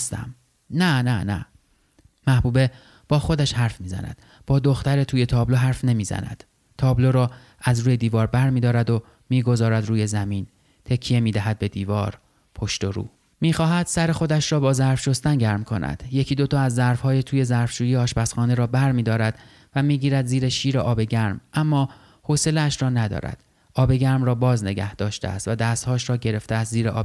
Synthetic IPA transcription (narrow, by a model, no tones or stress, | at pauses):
st̪æ̰m | nænænæ̰ | mæhbuːbe̞ | b̥ɒːxo̞d̪æʃhæɾfmiːzæ̰næ̰d̪̥ | b̥ɒːd̪oxt̪æɾet̪ʰuːje̞t̪ʰɒːblo̞ɦæɾfne̞miːzæ̰næ̰d̪̥ | t̪ʰɒːblo̞ɾɒː | æzɾuːje̞d̪iːvɒːɾbæɾmiːd̪ɒːɾæd̪o̞ | miːɡo̞zɒːɾæd̪ɾuːje̞zæmiːn | t̪ʰe̞cʰːije̞miːd̪æɦæd̪̚be̞d̪iːvɒːɾ | pʰo̞ʃt̪o̞ɾṵː | miːxɒːɦæd̪̥sæɾe̞xo̞d̪æʃrɒːbɒːzæɾfʃo̞st̪ænɟæɾmkʰo̞̰nʔæ̰d̪̥jecʰiːd̪o̞t̪ʰɒːæzːæɾfhɒːjet̪ʰuːje̞zæɾfʃuːjijeɒːʃbæsxɒːne̞ɾɒːbæɾmiːd̪ɒːɾæd̪̥ | væmiːɟiːɾæd̪ziːɾeʃiːɾeʔɒːbe̞ɟæɾmʔæmːɒː | hose̞leæʃɾɒːnæd̪ɒ̰ːɾæ̰d̪̥ | ʔɒːbe̞ɟæɾmrɒːbɒːzne̞ɡæhd̪̥ɒːʃt̪ḛæ̰st̪væd̪æːst̪hɒːʃɾɒːɟe̞ɾe̞ft̪eæst̪ziːɾeʔɒ̰ː